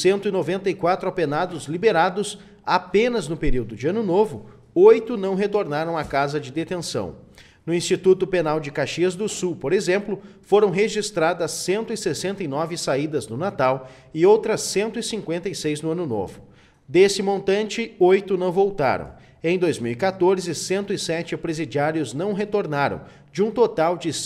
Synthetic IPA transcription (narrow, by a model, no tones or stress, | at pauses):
sẽnt̪ʊinovẽnt̪ɐikwat̪ɾʊapenad̪ʊzlibeɾad̪ʊs | apẽnɐznʊpeɾiwd̪ʊd͡ʒɪɐ̃nʊnovʊ | ojt̪ʊnɐ̃w̃ɦet̪oɾnaɾɐ̃w̃akazɐd͡ʒɪd̪et̪ẽsɐ̰̃w̃ | nʊĩst͡ʃit̪ut̪ʊpenawd͡ʒɪkaʃiɐzd̪ʊsuwpoɾezẽmplʊfoɾɐ̃w̃ɦeʒist̪ɾad̪ɐsːẽnt̪ʊɪsesẽnt̪ɐjnɔvɪsaid̪ɐznʊnat̪aw | ɪowt̪ɾɐsːẽnt̪ʊɪsĩkwẽnt̪ɐjsejznʊɐ̃nʊno̰vʊ | d̪esɪmõnt̪ɐ̃nt͡ʃɪojt̪ʊnɐ̃w̃vowt̪a̰ɾɐ̰̃w̃ | ẽj̃d̪ojzmiwikat̪oɾzɪsẽnt̪ʊɪsɛt͡ʃɪpɾezid͡ʒiaɾjʊznɐ̃w̃ɦet̪oɾnaɾɐ̰̃w̃ | d͡ʒɪũt̪ot̪awd͡ʒɪ